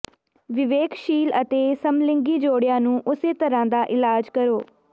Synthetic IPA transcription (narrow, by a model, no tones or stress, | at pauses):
ʋɪʋeːkʃiːlət̪eːsəmlɪŋɡiːd͡ʒoːɽjãːnũːʔʊseːt̪əɾãːd̪aːʔɪlaːd͡ʒkəɾoː